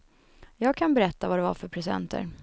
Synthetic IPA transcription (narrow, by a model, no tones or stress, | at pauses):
jɑːɡ̚kʰanbɛɾɛt̪ːavad̪ɛva̰fœɾpʰɾɛsɛ̰nt̪ʰə̰ɾ